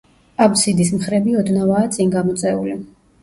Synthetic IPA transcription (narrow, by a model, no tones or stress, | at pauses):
absid̪is̬mχɾɛbiɔd̪navaːt̪sʼiŋɡamɔt̪sʼɛuli